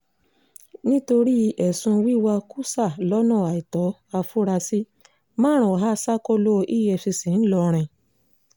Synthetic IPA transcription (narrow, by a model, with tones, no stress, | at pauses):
nĩ˦to˧ɾi˦˧ʔɛ˨sũ˧wi˦wa˧ku˦sa˦˨lɔ˨˦nã˦˨a˨i˨tɔ˨˦a˧fu˦ɾa˧si˦ | mãː˦ɾ̃ɔ̃˨ɦa˦˧sa˦ko˦lo˦˧ʔi˦˨jɛ˧˨fi˧sĩ˨n̩˦lɔ˧ɾ̃ɛ̃˧˨